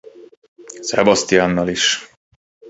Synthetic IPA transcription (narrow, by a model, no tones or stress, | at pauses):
sɛbɒst̪ijaːnːɒliʃ